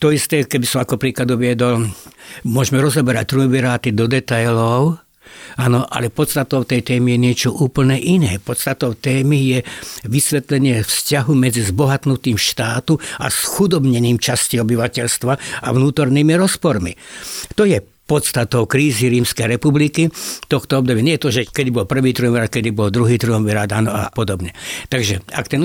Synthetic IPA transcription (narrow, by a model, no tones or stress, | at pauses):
t̪ɔist̪ɛːkɛbisɔmakɔpɾiːklad̪uʋɪɛd̪ɔl | mʊɔʒmɛɾɔzɔbɛɾa̰c̚t̪ɾubiɾaːt̪id̪ɔd̪ɛt̪ajlɔʊ | anɔʔa̰lɛpɔt̪st̪at̪ɔʊt̪ɛjt̪ɛːmijɛɲɪɛt͡ʃɔʔuːpl̩nɛʔinɛːpɔt̪st̪at̪ɔʊt̪ɛːmijɛʋisʋɛt̪lɛɲɪɛfscaɦumɛd͡zizbɔɦat̪nut̪iːmʃt̪aːt̪ua̰sxud̪ɔbɲɛniːmt͡ʃasciɔbiʋacɛʎst̪ʋaaʋnuːt̪ɔɾniːmiɾɔspɔɾmḭt̪ɔjɛ | pɔt̪st̪at̪ɔʊkɾiːziɾiːmskɛjɾɛpublikit̪ɔxt̪ɔɔb̚d̪ɔbiɛɲɛjɛt̪ɔʒɛkɛd̪ibɔlpr̩ʋiːt̪ɾuɦɔmʋiɾat̪̚kɛd̪ibɔld̪ɾuɦiːt̪ɾuɔmiɾad̪anɔa̰pɔd̪ɔbɲɛt̪aɡʒɛa̰kt̪ɛn